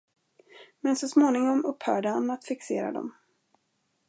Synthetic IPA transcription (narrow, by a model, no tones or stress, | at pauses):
mɛnsɔsmoːnɪŋɔmɵpːhœːɖəhanat̪fɪkseːɾa̰d̪ɔ̰m